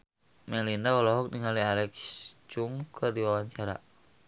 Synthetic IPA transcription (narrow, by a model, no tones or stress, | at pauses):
mɛlinaɔlɔɦɔk̚niŋalialɛkst͡ʃuŋkʰərdiwawaɲt͡ʃaɾa̰